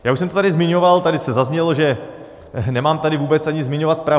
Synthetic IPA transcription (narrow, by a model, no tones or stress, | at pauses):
jaːuʃs̬ɛmt̪ot̪adɪzmɪɲovalt̪adɪsɛzazɲɛlo̞ʒɛ | nɛmaːmt̪adɪvuːbɛt͡sʔaɲɪzmɪɲo̞vat̪̚pɾa